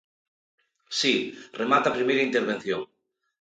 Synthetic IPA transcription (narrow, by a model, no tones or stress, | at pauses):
siremat̪apɾimejɾaint̪eɾβen̟θjoŋ